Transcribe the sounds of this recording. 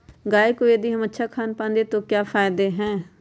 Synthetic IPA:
ɡaːekoːed̪iːɦəmətːʃʰaːkʰaːnpãːnd̪eːt̪õːkjaːpʰaːɪd̪eːɦɛ̃ː

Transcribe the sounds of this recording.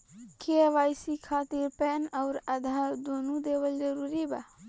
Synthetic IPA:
keʋaːjsikʰaːt̪iɾpɛnəʊɾəd̪ʱad̪oːnud̪eːwəld͡ʒəɾuːɾiba

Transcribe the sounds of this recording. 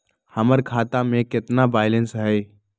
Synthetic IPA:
həməɾkʰaːt̪amẽkɪt̪nabaːɪlənsɦɛː

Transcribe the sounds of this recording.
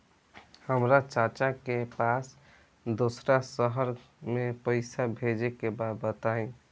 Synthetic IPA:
həmɾat͡ʃat͡ʃakepas | d̪osɾasəɦəɾ | mepəɪsabʱed͡ʒekebad̪bət̪aĩ

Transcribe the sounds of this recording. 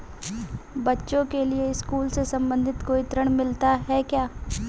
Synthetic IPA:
bɐtːʃõkelieɪskuːlsesɐ̃mbə̃nd̪ʱɪt̪koːit̪ɾəɽ̃mɪlt̪aɦɛkjaː

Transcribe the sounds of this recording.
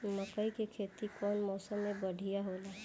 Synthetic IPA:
mɐkəikekʰeːt̪ikɔːnmɔːsəmːẽbɐɽ̤ʱijaɦoːlaː

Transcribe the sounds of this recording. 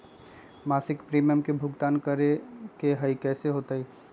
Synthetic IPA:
maːsɪkpɾimijəmkebʱʊɡt̪aːnkəɾekeɦəikɛːseɦot̪əi

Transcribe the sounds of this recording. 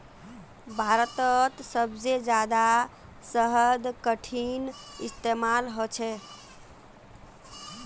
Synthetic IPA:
bʱaɾət̪ət̪səbd͡ʒed͡ʒad̪a | səɦəd̪kəʈʰinist̪emalɦot͡ʃʰɛ

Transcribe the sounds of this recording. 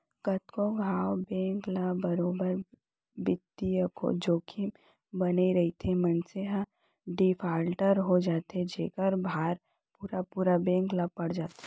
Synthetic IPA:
kɐt̪koɡʱaːwbɛ̃ːŋklabɐɾoːbəɾ | bɪt̪ːijəko̰d͡ʒoːkʰi | bɐneɾɐɦit̪ʰemɐnseɦã | ɖifʰaːlʈəɾɦod͡ʒaːt̪ed͡ʒeːkəɾbʱaːɾ | puːɾapuːɾabɛ̃ːŋklapɐɽd͡ʒaːt̪e̥

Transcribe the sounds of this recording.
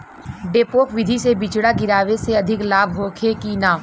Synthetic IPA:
ɖeːpoːkʋɪd̪ʱisebɪt͡ʃɽaɡɪɾaːʋeseɐd̪ʱɪklaːbʱɦoːkʰekinaː

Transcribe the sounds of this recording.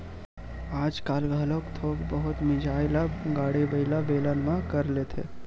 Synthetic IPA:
aːd͡ʒkaːlɡʱaːlokt̪ʰoːkbəɦʊt̪mɪd͡ʒʱaːjlaɡaːɽibəɪlabeːlanmãkəɾlet̪ʰḛ

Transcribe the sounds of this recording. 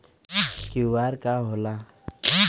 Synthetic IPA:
kiwaɾkaɦola

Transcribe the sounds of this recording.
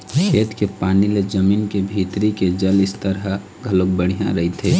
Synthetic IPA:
kʰeːt̪kepaːniled͡ʒəmiːnkebʱiːt̪ɾiked͡ʒəlɪst̪əɾə | ɡʱəlok̚bəɽ̤ijã̰ɾəɦit̪ʰeː

